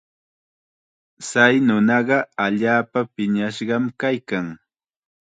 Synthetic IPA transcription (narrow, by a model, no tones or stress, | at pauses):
sajnʊnɑɢɑaʎaːpapɪɲaʃɢɑmkajkaŋ